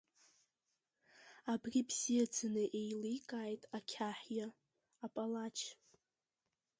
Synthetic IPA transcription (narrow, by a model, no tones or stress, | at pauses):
abrʲibz̥ijad͡zʰanɨʔejlijkʼaːjtʼakʲʰaħjaː | pʼalat͡ʃʰ